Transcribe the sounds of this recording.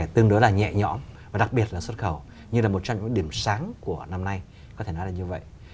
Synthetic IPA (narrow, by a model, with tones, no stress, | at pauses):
ɛ˧˩t̪ɨ˧əŋɗo˨˦jlaː˨˩ɲɛ̰˧˨ɲɔ˧˥mvaː˨˩ɗa˨˩k̚ɓi˨˩ət̚laː˨˩swə˦˥t̚xə˧˩w | ɲɨ˧laː˨˩mo˨˩t̚t͡ɕɔ˧ŋ͡mɲɨ̰˧˥˦ɗi˧˩əmsaː˨˦ŋku˧˩əna˧mna˧j | kɔ˨˦t̪ʰe˧˩nɔ˨˦laː˨˩ɲɨ˧və̰˧˨jʔ